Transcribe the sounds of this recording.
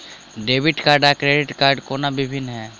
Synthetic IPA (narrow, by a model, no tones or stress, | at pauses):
ɖeːʋɪʈkaːɾɖakɾeːɖɪʈkaːɾɖkoːnabɪbʱɪnːɦɛː